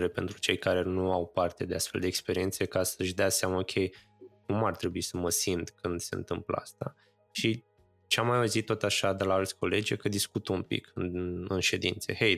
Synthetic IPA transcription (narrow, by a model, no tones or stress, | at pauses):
ɾe̞pe̞nt̪ɾut͡ʃe̞jkaɾe̞nuawpart̪e̞d̪e̞ast̪fe̞ld̪eːkspeɾie̞nt̪se̞kasəʃd̪easeaməokʲʰej | kumart̪ɾe̞buisəməsint̪kɨnd̪se̞ɨnt̪ɨmplə̰a̰st̪a | ʃi | t͡ʃeamːajauzit̪ːot̪aʃad̪elaalt̪sʲko̞le̞d͡ʒʲekəd̪iskut̪umpḭkʰɨnɨnʃe̞d̪int̪se̞̰hej